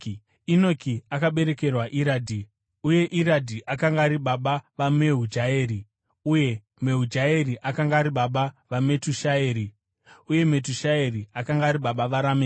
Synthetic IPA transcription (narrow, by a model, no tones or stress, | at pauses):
ino̞kʰiakaɓe̞ɾe̞ke̞rwaʔiɾaːdʱi | uje̞ʔiɾadʱiʔakaŋɡaːɾiɓaɓaʋame̞ɦud͡ʒaeːɾi | uje̞ | me̞ɦud͡ʒae̞riʔakaŋɡaːɾiɓaɓaʋame̞tuʃaeːɾi | uje̞me̞tuʃae̞riakaŋɡaːɾiɓaɓaʋaɾameː